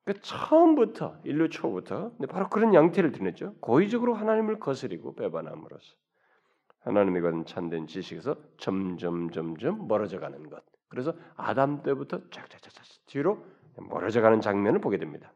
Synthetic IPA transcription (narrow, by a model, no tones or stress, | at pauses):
kat͡ɕʰʌʌʌmbutʰʌiʎːut͡ɕʰobutʰʌnepaɾokɯɾʌnjaŋtʰeɾɯɭtɯnet̚t͡ɕ͈okoid͡ʑʌɡɯɾoɦanaɲimɯɭkʌsʰɯɾiɡo̰pe̞banɦa̰mɯ̰ɾo̰sʰʌ̥ | hanaɲimiɡʌnɯnt͡ɕʰandwent͡ɕiɕʰiɡesʰʌt͡ɕʌmd͡ʑʌmd͡ʑʌmd͡ʑʌmːʌɾʌd͡ʑʌɡanɯnɡʌt̚kɯɾe̞sʰʌa̰damt͈e̞butʰʌt͡ɕak̚t͡ɕ͈ḁt͡ɕ͈ḁt͡ɕḁt͡ɕtʰiɾo | emʌ̰ɾʌd͡ʑʌɡanɯnt͡ɕaŋmʌnɯɭpoɡe̞dwemɲida